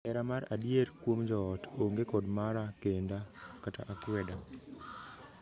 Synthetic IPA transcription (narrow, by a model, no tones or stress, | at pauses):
ɛɾamaɾadjeɾkwomd͡ʒɔːtoŋɡekɔdmaɾakendakataʔakwɛda